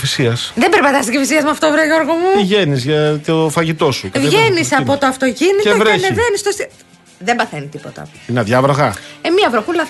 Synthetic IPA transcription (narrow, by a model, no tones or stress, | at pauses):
fisiɐsðembeɾpɐt̪ɐst̪icefisiɐzmuɐft̪ovɾeʝo̞ɾɣomupiʝe̞nizʝɐt̪ofɐʝit̪o̞sukvʝe̞nisɐpo̞t̪oɐft̪o̞ciniteovɾenevenist̪osi | ðembɐθenit̪ipot̪ɐ̰inɐðʝɐvɾɐɣɐemiɐvɾoxulɐ